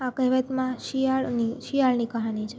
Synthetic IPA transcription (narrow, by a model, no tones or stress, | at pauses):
akəɦʋət̪mãʃiaɭniʃijaɭnikaɦanit͡ʃʰe